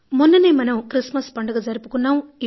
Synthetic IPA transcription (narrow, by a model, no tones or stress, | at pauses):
munːɐneːmɐnɐmkɾismɐspɐɳɖɐɡɐd͡ʒɐɾipukunːaːmi